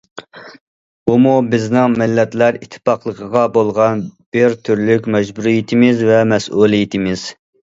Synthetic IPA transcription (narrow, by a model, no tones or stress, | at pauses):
bumubɪznɪŋmɪlːɛt̪læɾit̪ʰːɪ̥pɑqlˠəqʰəʁɑbolˠʁɑnb̥ɪɾt̪ʰyɾlykʲmɛd͡ʒbuɾijit̪ʰɪmɪzvɛmɛsʔulˠijit̪ʰɪmɪz̥